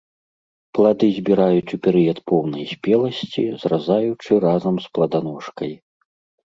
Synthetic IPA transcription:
plˠad̪ɨzʲbʲiɾajut͡sʲupʲɛɾɨɛt̪pɔwnɐjsʲpʲɛlˠɐsʲt͡sʲizɾrazajut͡ʂɨrazɐmsplˠɐd̪anɔʂkɐj

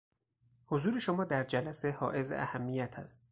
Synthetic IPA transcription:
hozuːɾe̞ʃomɒːd̪æɾd͡ʒælæse̞hɒːʔe̞zḛʔæ̰hæmːijæt̪ʰæ̰st̪

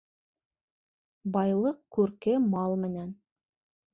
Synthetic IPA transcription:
bɑjlˠɤqkʉɾkɘmɑlˠmɘ̆næn

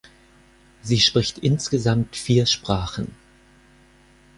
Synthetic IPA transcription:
ziːʃpʁ̥ɪçtʔɪnsɡ̥əzamtfiːɐʃpʁ̥aːχn̩

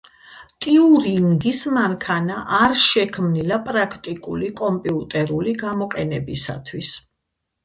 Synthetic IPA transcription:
t̪ʼiuɾiŋɡismaŋkʰanaʔaɾʃɛkʰmnilapʼɾakʰt̪ʼikʼṵlikʼɔmpʼiut̪ʼɛɾuliɡamɔqʼɛnɛbisa̰t̪ʰwis

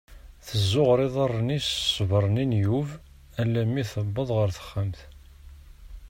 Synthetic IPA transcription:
θəzːʊʁɾˤeðˤɑrˤːnissˤvəɾˤninjuv | ælːæmːiθəbːəðˤʁəɾθə̥χːəmθ

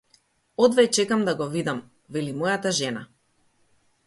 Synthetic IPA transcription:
ɔd̪vɛt͡ʃɛkamd̪aɡɔvid̪am | vɛlimɔjat̪aʒɛna

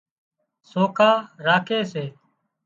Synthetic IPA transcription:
soːkʰaːɾaːkʰeːseː

